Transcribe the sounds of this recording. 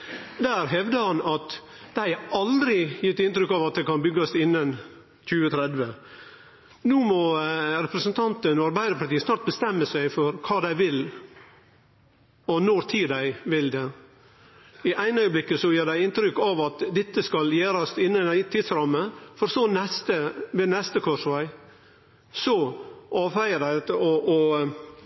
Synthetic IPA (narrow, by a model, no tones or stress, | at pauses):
d̪æːɾɦɛʋd̪əhɑnɑt̪ | d̪̥æɪɑld̪ɾɪjɪt̪ːɪnt̪ɾʏkːɑʋɑt̪̚d̪ɛkʰɑnbʏɡːɑst̪ɪnːən | c͡çʉːət̪ʰɾɛd̪ʋə | nuːmɔɾɛpɾəsənt̪ʰɑnt̪ənɔɑɾbæɪd̪əɾpɑɾʈ̪iːəsnɑːɾʈ̪̚bəst̪ɛmːəsæɪfɔɾkʰɑːd̪æɪʋɪl | ɔnɔɾt̪ʰiːd̪æɪʋɪld̪ɛ | ɪʔæɪnœʏəblɪkːəsɔjeːɖ̪æɪɪnt̪ɾʏkːɑʋɑt̪d̪ɛt̪ːəskɑljeːɾɑst̪ɪnːæɪt̪ʰːɪd̪sɾɑmːəfɔɾsɔnɛst̪əʋeːnɛst̪əkʰɔʂʋæɪ | sɔʔɑːʋfæɪədæɪt̪əɔɔ